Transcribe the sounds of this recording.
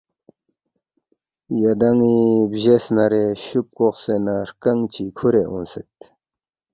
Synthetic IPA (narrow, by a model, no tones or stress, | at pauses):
jəd̪aŋibʑesnaɾeɕup̚koχsenarkaŋt͡ɕikʰoɾeɦo̰nsət̪̚